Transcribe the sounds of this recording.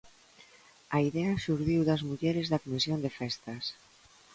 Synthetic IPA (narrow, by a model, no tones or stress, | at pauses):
aiðeaʃuɾðiwðazmuʎeɾezðakomisjond̪efɛst̪as